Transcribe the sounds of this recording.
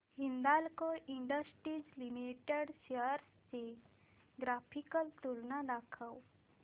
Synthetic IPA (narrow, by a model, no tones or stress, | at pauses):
hind̪alkoʔiɳɖəsʈɾid͡zlimiʈeɽɕəɾst͡se | ɡɾafʰikəlt̪ulnad̪akʰəw